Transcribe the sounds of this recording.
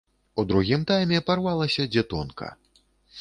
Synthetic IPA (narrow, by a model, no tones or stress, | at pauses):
ud̪ɾuɣʲimt̪ajmʲɛparvalˠɐsʲɐd͡zʲɛt̪ɔnkʰɐ̰